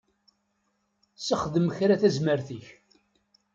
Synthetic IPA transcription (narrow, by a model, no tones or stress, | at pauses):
səχðəmçɾæθæzməɾθiç